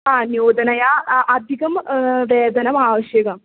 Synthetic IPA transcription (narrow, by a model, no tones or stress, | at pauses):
anjoːd̪ʱɐnɐjaʔɐd̪ʱikɐmʋeːd̪ɐnɐmaːʋɐɕjɐɡɐm